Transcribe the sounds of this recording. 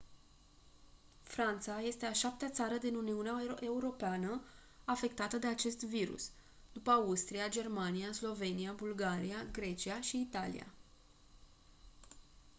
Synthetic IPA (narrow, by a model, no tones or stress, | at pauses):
fɾant̪saje̞st̪e̞aʃap̚t̪eat̪saɾəd̪inuniuneae̞uɾo̞peanəafe̞k̚t̪at̪əd̪e̞at͡ʃe̞st̪viɾṵs | d̪upəaust̪ɾiad͡ʒe̞rmaniaslo̞ve̞niabulɡaɾiaɡɾe̞t͡ʃiaʃiːt̪alḭja̰